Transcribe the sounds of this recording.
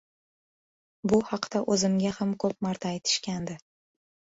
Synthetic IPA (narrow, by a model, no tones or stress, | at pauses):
bʊhɑqt̪aʔɵzɪmɡʲahamkʰɵp̚maɾt̪ʰaːjt̪ʰɪ̥ʃkʲand̪ɪ